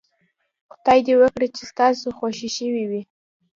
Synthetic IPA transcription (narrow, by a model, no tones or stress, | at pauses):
qʊ̥d̪ɑjd̪ewəkɽət͡ʃest̪ɑsoxoʃiʃəwiwi